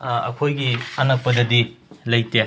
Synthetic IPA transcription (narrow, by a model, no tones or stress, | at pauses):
ɐ̰kʰojɡiɐnɐk̚pɐdɐdilɐjte